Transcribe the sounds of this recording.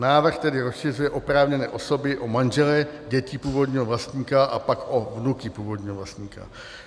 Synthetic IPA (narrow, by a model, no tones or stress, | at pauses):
naːvr̩xt̪ɛdɪɾosʃɪrujɛʔo̞pɾaːvɲɛnɛ̰ːʔo̞so̞bɪʔomanʒɛlɛɟɛciːpuːvo̞d̪ɲiːɦovlast̪ɲiːkaʔa̰pakʔo̞vnukɪpuːvod̪ɲiːɦovlast̪ɲiːka̰